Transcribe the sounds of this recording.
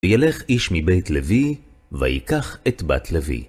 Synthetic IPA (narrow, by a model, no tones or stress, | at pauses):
jale̞χiʃmibejtlevi | va̰jikaχet̪ba̰t̪ʰlevḭ